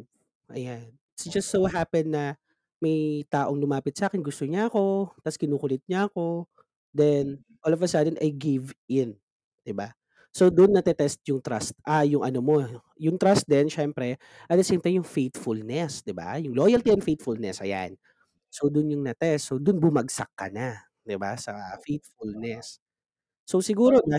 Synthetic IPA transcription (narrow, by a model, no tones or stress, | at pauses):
ʔɐ̰jan | ɪt̪sd͡ʒɐst̪sowɦapɛnːɐ | mɐjt̪aːʔoŋlʊmaːpɪt̪̚sɐʔaːkɛnɡʊst̪oɲaɐko̞t̪ɐskɪnuːkʊlɪt̪̚ɲaɐko̞ | d̪ɛn | ʔoːlovɐsaːd̪ɛnʔɐjɡɪvʔɪn | d̪̥ɪba | sowd̪ʊnːɐt̪ɛt̪ɛst̪̚jʊŋt̪ɾast̪̚ʔajʊŋʔɐnomo̞ | jʊŋt̪ɾast̪̚d̪ɛnʃɛmpɾɛ | ʔɐd̪ɐsɛmpɾɛjʊŋfejt̪fʊlnɛsd̪ɪba̰jʊŋloːjɐlt̪iʔɛmfejt̪̚fʊlnɛsɐ̰ja̰n | sowd̪ʊnjʊŋnɐt̪ɛstsowd̪ʊnbʊmɐɡ̚sɐk̚ːɐ̰na | d̪ɪba̰sɐfejt̪̚fʊlnɛsː | o̞wsɪɡuːɾonɐ